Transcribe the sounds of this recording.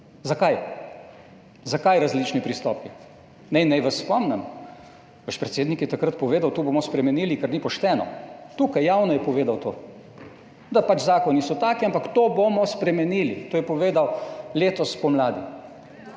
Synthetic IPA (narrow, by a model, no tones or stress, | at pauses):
zakaj | zakajɾazlit͡ʃnipɾist̪ɔːpi | nɛinːɛjʋasːpɔmnɛm | ʋəʃpɾɛt̪seːd̪nikjɛt̪akɾat̪pɔʋeːd̪awt̪oːbomɔspɾɛmɛniːlikɛɾnipɔʃt̪ɛːnɔ̰t̪uːkajːaːwnɔjɛpɔʋeːd̪awt̪oː | d̪apat͡ʃzaːkɔnisɔt̪aːkiampakt̪oːbomɔspɾɛmɛniːlit̪oːjɛpɔʋeːd̪awleːt̪ɔspɔmlaːd̪i